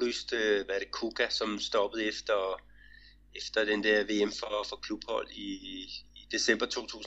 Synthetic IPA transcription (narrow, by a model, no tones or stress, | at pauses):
y̰sd̥øʋæɐɾ̥ekʰuɡ̥ʰæsɒ̽msd̥ɒb̥əð̞̩ˠefd̥ɐ | efd̥ɐd̥end̥ɛɐʋe̝ːemfɒfɒkʰlub̥hɒ̽l̰iː | d̥e̝sem̰b̥ɐt͡sʰo̝̰ːt͡sʰṵːs